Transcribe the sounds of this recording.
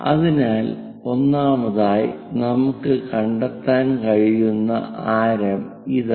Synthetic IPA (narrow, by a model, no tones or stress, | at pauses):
ɐ̰ðinaːl | o̞nːaːmɐðaːj | nɐmukːɨkɐɳɖɐt̪ːaːnkɐɻijunːɐ̰ʔaːɾɐm | iðɨ